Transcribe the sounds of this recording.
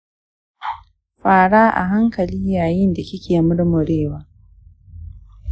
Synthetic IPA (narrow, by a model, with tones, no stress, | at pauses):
ɸaː˨ɽaː˦ʔa̰˨ɦa˦ŋkɐ˨liː˦jaː˨jɪ˦nda˨kʲɪ˦kʰʲeː˨mʊ˦ɽmʊ˨ɽeː˦waː˦